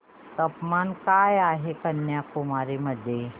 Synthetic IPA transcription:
t̪ɐpmankaːjaːɦekɐnːjakomaːɾemɐd̪ʱje

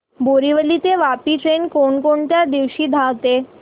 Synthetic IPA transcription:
boɾiʋəlit̪eʋapiʈɾenkoɳkoɳt̪jad̪iʋɕiːd̪ʱawt̪e

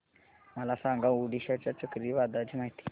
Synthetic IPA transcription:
məlasãŋɡauɽiɕat͡ɕjat͡səkɾiʋad̪ad͡ʑimaɦit̪i̥

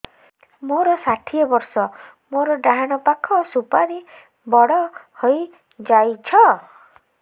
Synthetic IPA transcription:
moɾɔsaʈʰiebɔɾsɔ | moɾɔɖaɦaɽ̃ɔpakʰɔsupaɾi | bɔɽɔhoj | d͡ʒajt͡ʃʰɔ

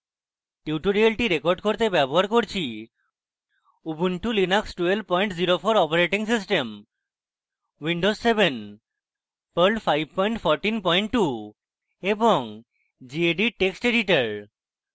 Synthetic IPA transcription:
ʈiuʈuɾialʈiɾekoɾɖkoɾt̪ebɛboɦaɾkoɾt͡ɕʰi | ubunʈulinaksʈuel̚pɔjɳʈziɾofʰoɾɔpaɾeʈiŋsis̬ʈem | wiɳɖosseben | pəɾlɖpʰajb̚ʱpɔjɳʈfʰɔɾʈinpɔjɳʈʈːu | eboŋ | d͡ʑieɖiʈeksʈeɖiʈaɾ

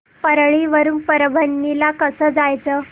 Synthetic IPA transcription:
pəɾɭiʋəɾuːnpəɾəbʱəɳːilakəsəːd͡zajt͡səː

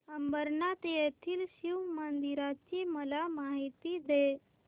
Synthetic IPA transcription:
əmbəɾnat̪ejet̪ʰiːlɕiwmənd̪iɾat͡ɕiːməlamaɦit̪iːd̪e

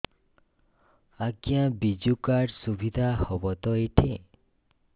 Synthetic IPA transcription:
aɡjãbid͡ʒukaɾɖsuʋid̪ʱahɔʋɔt̪ɔeʈʰẽ

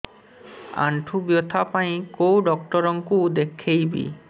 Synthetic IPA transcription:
a̰ɳʈʰubjot̪ʰapaĩkowɖɔk̚ʈɔɾɔŋkud̪ekʰːejbḭ

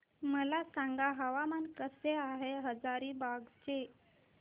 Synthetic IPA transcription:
məlasãŋɡaɦəʋamankəseaɦeɦəd͡zaɾiːbaɡt͡ɕe

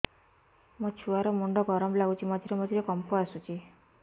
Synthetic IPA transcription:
mɔt͡ʃʰuaɾɔmuɳɖɔɡɔɾɔmlaɡut͡ʃʰimɔd͡ʒ̪ʱiɾemɔd͡ʒ̪ʱiɾekɔmpɔasut͡ʃʰi

